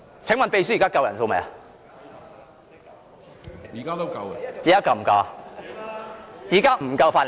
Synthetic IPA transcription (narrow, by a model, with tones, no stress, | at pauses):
t͡sʰɪ˨˥ŋmɐ˨npe˧jsyː˥˨˩kaː˥kɐ˧wjɐ˨˩nso˧wme˨jɐ˨ | jiː˨˩kaː˥t̪o˥kɐ˧wjiː˨˩aː˥kɐ˧m̩˨˩kɔ˧ | jiː˨kaː˥m̩˨˩kɐ˧wfaː˧˩n